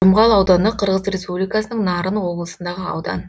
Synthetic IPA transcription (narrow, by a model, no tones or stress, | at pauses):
ʊmʁɑlˠɑwd̪ɑnd̪əqʰəɾʁəzrʲe̞spublikɑsənəɴnɑɾənwo̞blˠəsənd̪ɑʁəɑ̰wd̪ɑ̰n